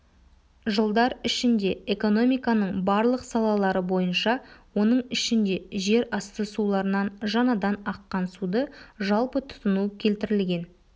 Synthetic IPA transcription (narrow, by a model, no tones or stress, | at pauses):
ʒəlˠd̪ɑɾɪʃɪnd̪e̞eko̞no̞mijkɑnəɴbɑɾlˠəqsɑlˠɑlˠɑɾəbo̞jənʃɑwo̞nəɴɪʃɪnd̪e̞ʒe̞ɾɑst̪əsulˠɑɾənɑnʒɑnɑd̪ɑnɑqːɑnsud̪əʒɑlˠpət̪ʰʊ̥t̪ənukʲʰe̞lt̪ɪɾɪlɡʲe̞n